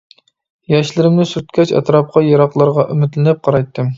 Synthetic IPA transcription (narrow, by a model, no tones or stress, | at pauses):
jɑʃlɪɾɪmnɪsyɾt̪̚kʲʰɛt͡ʃɛ̰t̪ɾɑp̚qʰɑjɑɾɑqlˠɑɾʁɑʔymɪt̪lɪnɪp̚qʰɑɾɑjt̪ʰːɨm